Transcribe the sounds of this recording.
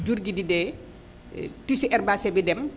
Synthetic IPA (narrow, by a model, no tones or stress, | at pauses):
d͡ʒuɾɡididɛ | tusiʔɛrbasɛbɛdɛm